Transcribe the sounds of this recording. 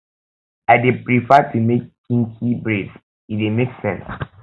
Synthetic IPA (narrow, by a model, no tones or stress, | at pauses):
aɪdepɹifatʰumek̚kĩŋkʰibɹeds | idemeksɛ̰̃ns